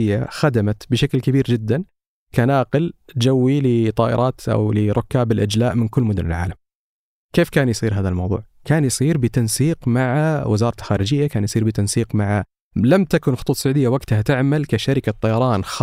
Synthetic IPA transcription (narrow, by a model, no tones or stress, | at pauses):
ɪjːaxad̪amat̪bɪʃaklkabiːɾd͡ʒɪd̪ːan | kanaːqɪld͡ʒawːilɪt̪ˤɑːʔɪ̰ɾˤʔɑːt̪ʔa̰wlɪɾˤʊkːaːbɪlʔad͡ʒlaːʔmɪnkʊlːmʊd̪ʊnɪ̰lʕa̰ːlam | keːfkaːnjsˤiːɾɦaːðalmɑwðˤṵːʕkaːnjsˤiːɾbɪt̪ɑnsiːqmaʕawɪ̰zɑːɾˤɑlxaːɾɪd͡ʒɪjːakaːnjsˤiːɾbɪt̪ɑnsiːqmaʕa | lamt̪akʊnxʊ̥t̪ˤuːt̪ˤsːɑʕuːd̪ɪjːawaɡt̪hat̪ɪʕmalkaʃaɾɪkat̪ˤːɑjɑɾˤɑːnx